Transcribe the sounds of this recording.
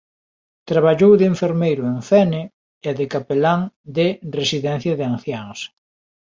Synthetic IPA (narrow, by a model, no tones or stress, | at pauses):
t̪ɾaβ̞aʎowðɪeɱfeɾmejɾʊeŋθɛne | eðɪkapelaŋd̪ɪresiðɛn̟θjɐðeanθjaŋs